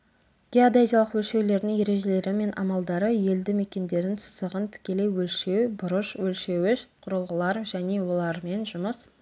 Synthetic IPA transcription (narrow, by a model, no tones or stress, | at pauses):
ɡ̥ʲead̪ejzʲijalˠəqwɵlʃe̞wle̞ɾd̪ɪŋje̞ɾe̞ʒe̞le̞ɾɪme̞nʔɑ̰mɑlˠd̪ɑɾəje̞ld̪ɪme̞kʲe̞nd̪e̞ɾɪnsʰʊ̥səʁənt̪ʰɪ̥kʲe̞le̞jwɵlʃe̞wbʊɾəʃwɵlʃe̞wɪʃqʰʊɾəlˠʁəlˠɑɾʒæne̞wo̞lˠɑɾme̞nʒʊməs